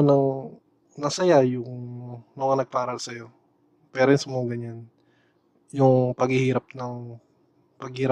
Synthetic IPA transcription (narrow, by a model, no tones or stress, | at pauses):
nɐŋ | nɐsɐjajʊŋnʊŋɐnɐɡ̚paːɾɐlsɐjo̞ | pɛːɾojnsmoɡɐɲan | jʊŋpɐɡhɪhiːɾɐp̚nɐŋ | pɐɡ̚hiːɾa